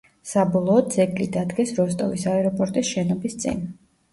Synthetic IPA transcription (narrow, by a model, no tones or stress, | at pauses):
sabɔlˠɔːd̪zɛɡlid̪ad̪ɡɛsɾɔst̪ʼɔ̰visaɛɾɔpʼɔɾt̪ʼisʃɛnɔbist̪sʼḭn